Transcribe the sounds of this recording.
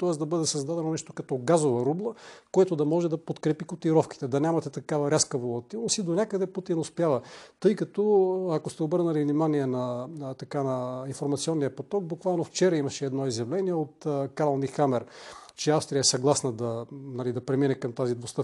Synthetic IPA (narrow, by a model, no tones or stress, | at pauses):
t̪ɔɛsd̪ɐbɤd̪ɛsɐzd̪ad̪ɛnonɛʃt̪o̥kɐt̪ɔɡazovɐɾublˠəkojɛt̪od̪ɐmɔʒɛd̪ɐpot̪kɾɛpikot̪iɾɔfki̥t̪ɛd̪ɐnʲamɐt̪ɛt̪ɐkavɐɾʲaskəvolˠɐt̪ilˠnosid̪onʲakəd̪ɛput̪inospjavɐt̪ɤjkɐt̪ɔɐkost̪ɛobɤɾnəlivnimaniɛnɐt̪ɐkanɐinfoɾmɐt̪siɔnːiɐpot̪ɔk̚bukvalˠnoft͡ʃɛɾɐimɐʃɛːd̪nɔizjɐvlɛniɛot̪kaɾlˠnixamɛɾt͡ʃɛafst̪ɾijəɛsɐɡlˠasnɐd̪ɐnɐlid̪ɐpɾɛminɛkɐmt̪azid̪vost̪ə